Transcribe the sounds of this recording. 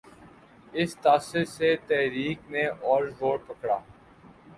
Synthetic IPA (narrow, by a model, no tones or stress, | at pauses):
ɪst̪aːsɪɾset̪ɛɦɾiːkneʔɔːɾʋoːɽpɐkɽa̰ː